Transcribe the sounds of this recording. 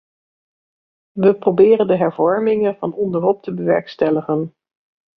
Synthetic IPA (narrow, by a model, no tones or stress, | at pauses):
ʋəprowbɪːrəndəɦɛɹvɔɹmɪŋənvɑnɔndərɦɔp̚təbəʋɛɹkstɛləχən